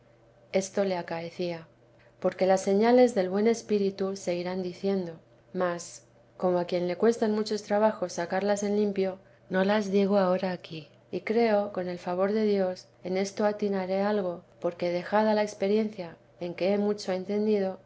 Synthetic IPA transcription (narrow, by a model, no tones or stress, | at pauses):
e̞st̪o̞le̞akae̞θia | po̞ɾke̞lasːe̞ɲale̞zðe̞lβwe̞ne̞spiɾit̪use̞ɣiɾand̪iθje̞nd̪o̞ | mas | ko̞mo̞akje̞nle̞kwe̞st̪anmut͡ʃo̞st̪ɾaβaxo̞sːakaɾlase̞nlimpjo̞ | no̞lazðiɣ̞oao̞ɾaːki | ikɾe̞o̞ko̞ne̞lfaβ̞o̞ɾðe̞ðjo̞s | e̞ne̞st̪o̞at̪inaɾe̞alɣ̞o̞po̞ɾke̞ðe̞xaðalae̞kspe̞ɾje̞nθja | e̞ŋke̞emut͡ʃo̞e̞nt̪e̞nd̪iðo̞